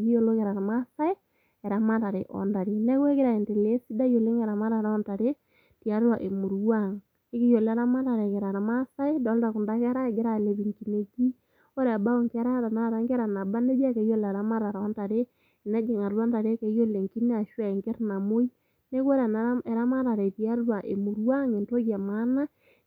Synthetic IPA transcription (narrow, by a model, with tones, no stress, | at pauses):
ɡi˦jo˦˨lo˦kɛ˨ɾa˨ɾma˦sa˦ɪ˦ | ɛ˨ɾa˨ma˦ɾa˨ɾe˨ʔɔ̰˨nda˨ɾi˨nɛ˦kwe˦kɪ˦ɾa˨e˨nte˨le˦si˦da˦jo˨le˦ŋɛ˨ɾa˨ma˦ɾa˨ɾɔ˦nta˨ɾe˦ | ti˨a˨˦ɾwa˨ʔe˨mu˨ɾwa˦˨ŋ | e˦kɪ˦jo˨lɛ˨˦ɾa˦ma˦ɾa˨ɾe˨kɛ˨ɾa˨ɾma˦sa˦e˦dɔ˨˦lda˨kʊ˨nda˦kɛ˦ɾa˦ɛ˨ɡɪ˦ɾa˦˨le˨˦bi˨ŋki˨ne˨ɡi˦ | o˦ɾɛ˨a˨ba˦o˦ŋkɛ˦ɾa˦ta˨na˦˨ɾa˨˦ŋkɛ˦ɾa˨na˨ba˦ne˦d͡ʒa˦ke˨jo˦˨la˨ɾa˦ma˦ɾa˨ɾa˨˦nta˨ɾe˦˨ | na˦d͡ʒe˨ŋa˨ɾwa˦nta˨ɾe˦ke˨˦jo˦le˨ŋki˦ne˦a˨ʃwa˦˨e˨ŋkɪ˦ɾna˨mo˦i˦ | ne˦ke˦ɾa˨na˨˦e˨ɾa˦ma˦ɾa˨ɾe˨ti˨a˦ɾɾwa˨ʔe˨mu˨ɾwa˦ŋe˨nto˦kja˨ma˦na˦